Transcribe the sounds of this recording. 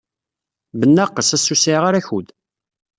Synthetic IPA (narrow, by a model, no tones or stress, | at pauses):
bənːaqːəsæsːusiʁaɾæçud̪